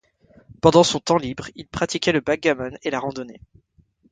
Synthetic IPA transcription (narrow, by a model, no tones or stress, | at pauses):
pɑ̃d̪ɑ̃sɔ̃t̪ɑ̃libʁilpχat̪ikʲɛləbaɡamɔnelaʁɑ̃d̪ɔnɛ